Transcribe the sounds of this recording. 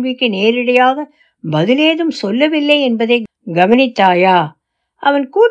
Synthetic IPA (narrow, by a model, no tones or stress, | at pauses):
ʋɪkːɯneːɾɪɽɐjaːɣɐ | bɐðɪleːðɯmsɔlːɐʋɪlːɐɪɛnbɐðeː | ɡɐʋɐnɪt̪ːaːjaː | ʔɐʋɐnkuː